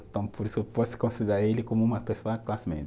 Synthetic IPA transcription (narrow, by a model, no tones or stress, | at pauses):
nt̪ɐ̃w̃poɾispɔsɪ̥kõsid̪eɾaɾelɪkõmʊũmɐpesoɐklasmḛ̃nt̪